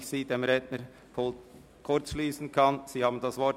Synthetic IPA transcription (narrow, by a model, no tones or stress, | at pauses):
çsiːdemɾɛdnəɾ | kʰʊɾt͡sʃliːsn̩kʰɑnz̥iːhɑːbn̩dɑsvɔ